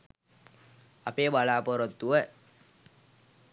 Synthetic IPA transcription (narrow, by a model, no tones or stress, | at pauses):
apeːbalaːpɔɾot̪ːuə